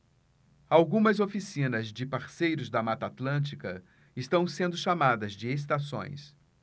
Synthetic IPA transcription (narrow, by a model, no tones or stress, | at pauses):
awɡũmɐzofisĩnɐzd͡ʒɪpaɾsejɾʊzd̪ɐmat̪at̪lɐ̃nt͡ʃikɐ | ɪst̪ɐ̃w̃sẽnd̪ʊʃamad̪ɐzd͡ʒɪes̬t̪asõ̰j̃s